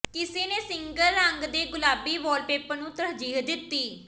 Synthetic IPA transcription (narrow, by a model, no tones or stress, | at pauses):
kɪseːneːsɪŋɡələŋɡd̪eːɡʊlaːbiːʋɔːlpeːpənũːt̪əsd͡ʒiːɦd̪ɪt̪ːiː